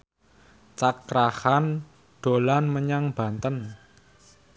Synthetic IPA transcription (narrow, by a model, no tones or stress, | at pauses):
t͡ʃakɾahan | ɖ̥o̤lanməɲaŋb̥ä̤nt̪ən